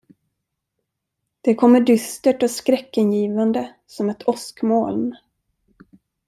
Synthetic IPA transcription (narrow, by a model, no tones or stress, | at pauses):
d̪̥ɛkʰɔmːəɖʏst̪əʈɔskɾɛkːənjiːvand̪ə | sɔmɛt̪ʰɔskmoːln